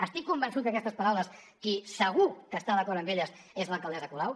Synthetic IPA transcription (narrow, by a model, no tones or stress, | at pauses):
əst̪ikːumbənsut̪kəkɛst̪əspəɾawləs | kisəɣ̞ukəst̪aðəkɔɾəmbeʎəs | ezləlˠkəlˠd̪ɛzəkulaw